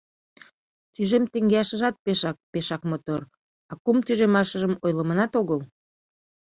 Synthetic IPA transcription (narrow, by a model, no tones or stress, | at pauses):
t̪yʒemt̪eŋɡeɑʃə̆ʒɑt̪̚peʃɑk̚peʃɑkmot̪or | ɑkumt̪yʒemɑʃə̆ʒəmojləmənɑt̪oɣəl